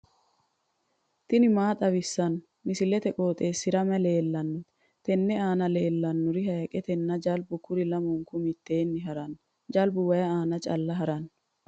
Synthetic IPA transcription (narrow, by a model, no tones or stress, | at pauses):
t̪ɪnɪmaːt̪ʼɐβɪsːɐn | mɪsɪlɛt̪ɛkʼo̞ːt̪ʼe̞ːsːɪɾɐmɛle̞ːlːɐnːʊ | t̪ɛnːɛaːnɐle̞ːlːɐnːʊɾɪɦɐjɐkʼɛt̪ɛnːɐd͡ʒɐlbʊkʊɾɪlɐmʊŋkʊmɪt̪ːe̞ːnːɪɦɐɾɐn | d͡ʒɐlbʊwɐjɐaːnɐt͡ʃʼɐlːɐɦɐɾɐn